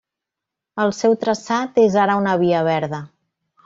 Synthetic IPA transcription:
əlˠsɛwt̪ɾəsat̪ezaɾəunəβ̞iəβ̞ɛɾðə

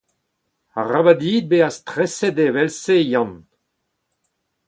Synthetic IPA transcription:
a̰ʁabad̪iːd̪̚beast̪ʁɛsed̪evɛlsejɑ̃n

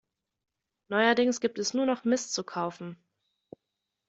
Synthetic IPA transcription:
nɔʏɐdɪŋsɡ̥iːp̚tɛsnuːɐnɔχmɪst͡sukʰaʊfn̩

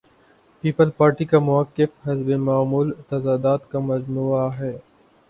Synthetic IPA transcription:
piːpəlpaːɾʈikamʊɐkːɪfɦɐzbemaːmuːlt̪ɐzaːd̪aːt̪kamɐd͡ʒmuːaɦɛː

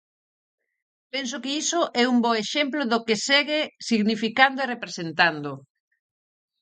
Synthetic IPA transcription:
pɛns̬okɪisoʔɛumbɔeʃɛmploðokesɛɣɪsiɣnifikand̪oerepɾesent̪and̪o

